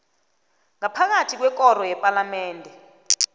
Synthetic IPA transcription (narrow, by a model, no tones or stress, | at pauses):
ŋapʰak̬atʰik̬wɛk̬ʼɔɾɔjɛpʼalamɛːndʱɛ